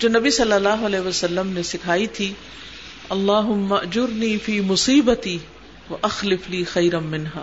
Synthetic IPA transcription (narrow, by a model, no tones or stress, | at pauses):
d͡ʒoːnɐbisɐlːɐlːaːɦʊɐlɛːɦʋɐsɐlːəmnesɪkʰaːit̪ʰi | ɐlˤːaːɦʊmːaʔd͡ʒʊɾniːfiːmʊsiːbɐt̪iː | wɐʔɐxlɪfliːxɐjɾɐːɪnɦaː